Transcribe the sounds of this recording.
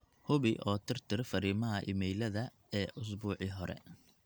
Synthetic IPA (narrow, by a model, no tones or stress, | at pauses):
hʊβɪʔɔːt̪ʰɪrt̪ʰɪrfɐɾiːmɐɦɐʔɪmɛjlɐðɐ | ɛːʔʊs̬buːʕiɦɔɾɛ̰